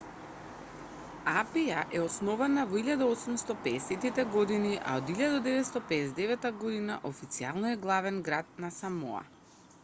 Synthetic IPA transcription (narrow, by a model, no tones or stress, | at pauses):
apijaʔɛɔsnɔvanavɔiʎad̪aɔsumst̪ɔpɛːsɛt̪it̪ɛɡɔd̪iniʔa̰od̪iʎad̪ad̪ɛvɛt̪st̪ɔpɛɛzd̪ɛvɛt̪ːaɡɔd̪ina̰ʔofit̪sialˠnɔɛɡlˠavɛnɡɾat̪̚nasamɔ̰a̰